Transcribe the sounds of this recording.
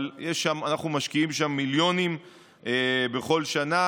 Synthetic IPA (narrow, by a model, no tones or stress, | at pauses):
ljeʃːamanaχnumaʃkiimʃamːiljo̞nim | ebe̞χo̞lʃana